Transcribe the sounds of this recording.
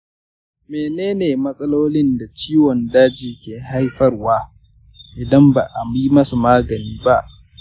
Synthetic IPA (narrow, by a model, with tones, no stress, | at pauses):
meː˨neː˦neː˨mɐ˦sʼɐ˦loː˦lɪ˦nda˨t͡ʃiː˦wɔ˨ndaː˦d͡ʒiː˨kʲeː˨ɦa˦jɸɐ˦rwaː˦ | ʔɪ˨dɐ˦mba˨ʔa˨mi˦mɐ˦su˨maː˦ɡɐ˨niː˦ba˦ʔ